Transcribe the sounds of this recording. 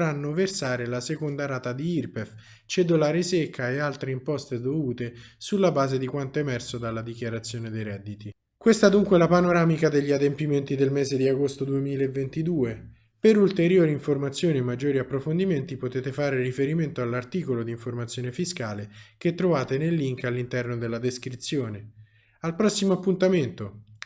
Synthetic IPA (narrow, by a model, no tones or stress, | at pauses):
ɾanːoversaːɾelasekond̪aɾaːt̪ad̪iirpef | t͡ʃed̪olaːɾesekʰːaealt̪ɾeimpɔst̪ed̪ovuːt̪e | sulːabaːzed̪ikwant̪oemɛrsod̪alːad̪ik̟jaɾat̪sːjoːned̪ejɾɛd̪ːit̪i | kwest̪ad̪uŋkwelapanoɾaːmikad̪eʎːiad̪empiment̪id̪elmeːzed̪iaɡost̪od̪uemiːlaevːent̪id̪uːe | peɾult̪eɾjoːɾiːɱformat̪sːjoːniemːad͡ʒːoːɾiapːɾofond̪iment̪ipot̪eːt̪efaːɾerifeɾiment̪oalːart̪iːkolod̪iːɱformat̪sjoːnefiskaːleket̪ːɾovaːt̪enelːiŋkalːint̪ɛrnod̪elːad̪eskɾit̪sːjoːne | alpɾɔsːimoapːunt̪ament̪o